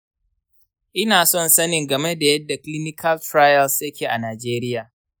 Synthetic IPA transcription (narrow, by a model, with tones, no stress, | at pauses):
ʔɪ˦naː˨sɔ˦˨nsɐ˦nɪ˨ŋɡɐ˨me˦da˨jɐ˦dːa˨kli˦nɪ˦kʰɐ˦ltɾa˦jɐ˨lsjɐ˦kʲeː˨ʔa˨naː˨d͡ʒeː˦ɾɪ˦jaː˨